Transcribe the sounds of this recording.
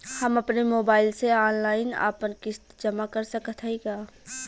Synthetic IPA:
həmɐpnemoːbaːɪlseaːnlaːɪna̰ːpənkɪst̪d͡ʒəmakəɾsəkət̪ʰiɡaː

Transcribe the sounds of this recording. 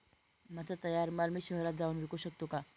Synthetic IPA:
mad͡zat̪əjaɾmalmiːɕəɦɾat̪̚d͡zauːnʋikuɕək̚t̪oka

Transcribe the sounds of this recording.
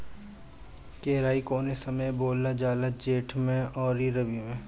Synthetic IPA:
keːɾaːikoːnesɐməjboːlːad͡ʒaːlad͡ʒeːʈʰmẽɔːɾiɾɐbimẽː

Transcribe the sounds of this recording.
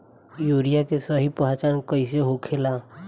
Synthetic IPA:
juɾijakesəɦipɦat͡ʃankəɪs̬eɦokʰela

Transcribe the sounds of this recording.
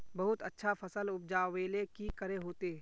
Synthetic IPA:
bɐɦʊt̪ətːʃʰafʰəsəlʊp̚d͡ʒaːʋeːlekikəɾeɦoːt̪e

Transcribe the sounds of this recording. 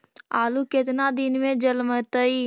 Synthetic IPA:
aːlukɪt̪nad̪ɪnmẽd͡ʒəlmət̪əi

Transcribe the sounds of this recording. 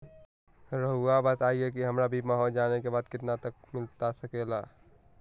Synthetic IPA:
ɾəɦuabət̪aiek̬iɦəmɾabʱimaɦod͡ʒanekebaːd̪kɪt̪nat̪ək̚mɪlt̪asəkela

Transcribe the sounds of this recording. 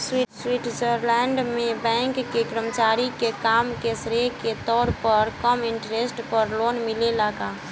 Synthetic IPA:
swiswiʈʰd͡ʒəɾlɛɳɖmebɛ̃ŋkːekɾəmət͡ʃaɾikekamkesɾeket̪ɔɾpəɾkəmiɳʈɾesʈpəɾlonmilelaɡa

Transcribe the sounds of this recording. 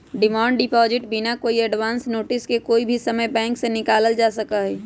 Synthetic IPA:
ɖɪmãːɳɖɖɪpɔːzɪʈbʱinakoːiəɖʋaːnsnoːʈɪskekoːibʱisəməjbɛ̃ːŋksenɪkaːləld͡ʒaːsəkaɦɛː

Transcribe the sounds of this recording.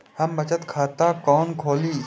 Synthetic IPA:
hɐmbɐt͡ʃət̪kʰaːt̪akɔːnkʰoːliː

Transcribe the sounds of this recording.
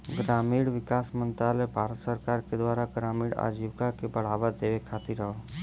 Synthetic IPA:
ɡɾaːmiːɽʋɪkaːsmənt̪ɾalebʱaːɾət̪səɾkaːɾked̪waːɾaɡɾaːmiːɽa̰ːd͡ʒiʋkakebəɽ̤aːʋad̪eːʋekʰaːt̪iɾəɦo

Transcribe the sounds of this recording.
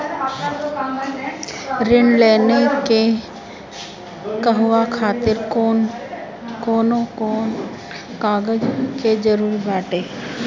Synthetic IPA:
ɾɪnleːneke | kəɦʊwakʰaːt̪ɪɾon | koːnõkoːn | kaːɡəd͡ʒked͡ʒəɾuːɾbaːʈeː

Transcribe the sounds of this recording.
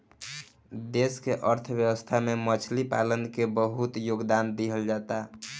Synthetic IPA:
d̪eskeʔəɾt̪ʰbjəbəst̪ʰamemət͡ʃʰlipa̰lənkebəɦut̪joɡd̪and̪iɦəld͡ʒat̪a

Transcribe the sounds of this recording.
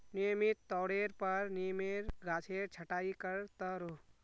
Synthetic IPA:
nijəmit̪ːɔːɽeɾpəɾnijmeɾɡʱaːt͡ʃʰeɾt͡ʃʰəʈaːikəɾt̪əɾo

